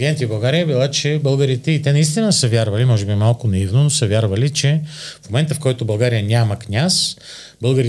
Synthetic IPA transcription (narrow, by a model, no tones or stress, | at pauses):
ɡʲɛnt̪ibɐlˠɡaɾijəbilˠat͡ʃɛbəlˠɡəɾit̪ɛit̪ɛnɐist̪inəsəvʲjaɾvɐlimɔʒɛbimalˠkʊnɐivnonosəvʲjaɾvəlit͡ʃɛfmomɛnt̪əfkɔjt̪obɐlˠɡaɾijənʲaməknʲas | bɤlˠɡəɾi